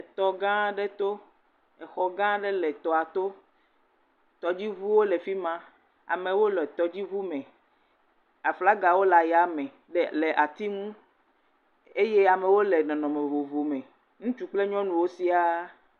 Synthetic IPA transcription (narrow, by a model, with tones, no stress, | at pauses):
e˨t̪ɔ˨ɡã˦ɖe˦t̪o˦ | ɛ˨xɔ˨ɡã˦ɖe˦lɛ˨t̪ɔ˨a˨t̪o˦ | t̪ɔ˨d͡ʑi˦vu˦wo˦le˨fi˦mã˦ | a̰˨me˨wo˦lɔ˨t̪ɔ˨d͡ʑi˦vu˦mɛ̃˨ | a˨fla˦ɡa˨wo˦la˨ja˨mɛ̃˨ | ɖe˦le˨ʔa˨t̪i˦ŋũ˦ | e˦je˦a˨me˨wo˦le˨nɔ̃˨nɔ̃˨me˨vo˨vo˨mẽ˨ | ŋũ˦t͡ʃu˦k͡ple˦ɲɔ̃˦nũ˨wo˦si˦a˦